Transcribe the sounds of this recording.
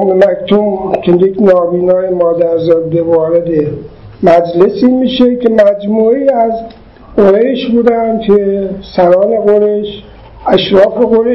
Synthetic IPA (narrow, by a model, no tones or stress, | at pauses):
memækt̪omkʰejekʲʰnɒːbiːnɒːjemɒːd̪æɾzɒːd̪evɒːɾed̪e | mæd͡ʒle̞siːmiːʃekʲʰe̞mæd͡ʒmuːeiːæz | ɡoɾeʃbuːd̪ænd̪̥̚kʰesæɾɒːne̞ɣoɾeʃ | æʃɾɒːfe̞ɣoɾe